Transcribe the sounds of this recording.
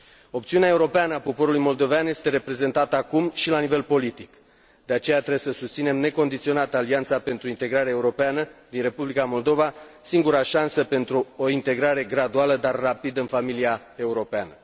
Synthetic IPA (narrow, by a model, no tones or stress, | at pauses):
o̞p̚t̪siuneae̞uɾo̞peanəapo̞po̞ɾulujmo̞ld̪o̞veanje̞st̪e̞ɾe̞pɾe̞ze̞nt̪at̪əakumʃilanive̞lpo̞lit̪ik | d̪̥eat͡ʃe̞jat̪ɾesəsust̪sine̞mne̞ko̞nd̪it̪sio̞nat̪əaliant̪sape̞nt̪ɾuint̪e̞ɡɾaɾeaeuɾo̞peanəd̪inre̞publikamo̞ld̪o̞vasiŋɡuɾaʃansəpe̞nt̪ɾuo̞int̪e̞ɡɾaɾe̞ɡɾad̪ualəd̪arːapid̪əɨnfamilia | e̞uɾo̞peanə